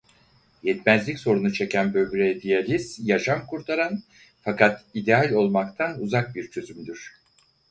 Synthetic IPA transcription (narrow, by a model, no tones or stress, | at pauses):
jɛt̪mæzlʲicso̞ɾunut͡ʃʰe̞cænbø̞vbɾɛd̪ijalʲiszjaʃamkʰuɾt̪ʰaɾan | fakʰat̪id̪ealʲo̞lˠmakt̪ʰanuzak̚biɾt͡ʃʰø̞zymd̪yɾ̝̥